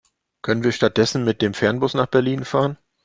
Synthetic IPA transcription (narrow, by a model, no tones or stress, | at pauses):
kʰœnənviːɐʃtat̚d̥ɛsn̩mɪt̚d̥eːmfɛɐnbʊsnaːχb̥ɛɐliːnfaːʁən